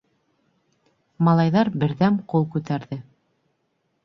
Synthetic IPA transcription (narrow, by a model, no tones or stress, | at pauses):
mɑlˠɑjðɑɾbɘ̆ɾðæmqulˠkʉt̪æɾðɘ